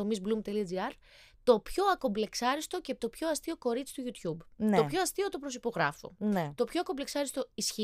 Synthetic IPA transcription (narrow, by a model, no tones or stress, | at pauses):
omizblumt̪eliɐd͡ziɐɾ | t̪o̞pço̞ɐko̞ble̞ksɐɾist̪o̞cepit̪o̞pço̞ɐst̪io̞ko̞ɾit͡si̥t̪uʝut̪çubnopçoɐst̪iot̪o̞pɾosipo̞ɣɾɐ̰fo̰net̪o̞pçoɐko̞bleksɐɾist̪o̞isçi